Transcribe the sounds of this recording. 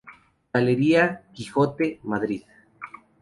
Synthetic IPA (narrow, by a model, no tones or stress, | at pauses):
ɡaleɾiakixot̪emaðɾið